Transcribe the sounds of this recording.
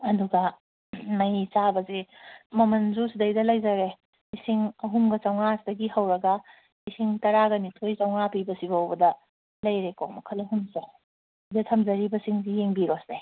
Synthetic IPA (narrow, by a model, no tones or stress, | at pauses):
ɐduɡɐ | mɐjt͡ʃabɐzemɐmɐnzusidɐjdɐlɐjzɐɾe | isiŋɐɦumɡɐt͡ʃɐwŋasdɐɡihɐwɾɐɡɐ | isiŋtɐɾaɡɐnitʰojt͡ʃɐwŋapibɐsiɡawbɐdɐ | lɐjɾekomɐkʰɐlɐɦumse | dɐtʰɐmzɐɾibɐsiŋsijeŋbiɾosde